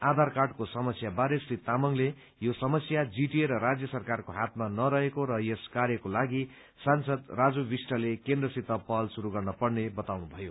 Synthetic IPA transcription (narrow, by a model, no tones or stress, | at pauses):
ad̪ʱarkaʈkosʌmʌsjabaɾesrit̪amʌŋle | josʌmʌsjad͡ziʈieɾʌɾad͡zjʌsʌrkarkoɦat̪manʌɾʌɦekoɾʌjeskaɾjʌkolaɡi | sansʌd̪rad͡zubisʈʌlekend̪rʌsit̪ʌpʌlsuɾuɡʌrnʌpʌɽnebʌt̪awnubʱʌjo